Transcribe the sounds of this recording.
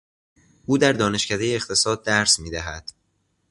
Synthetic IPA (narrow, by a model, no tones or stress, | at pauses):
ʔuːd̪æɾd̪ɒːne̞ʃcʰæd̪e̞jeːxt̪ʰe̞sɒːd̪̚ːæɾsmiːd̪æɦæd̪̥